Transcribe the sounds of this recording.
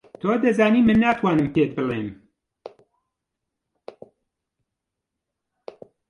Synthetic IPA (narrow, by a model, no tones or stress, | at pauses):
t̪ʰoːd̪ɐzaːniːmɨnːaːt̪ʰwaːnɨmpet̪̚bɨleːm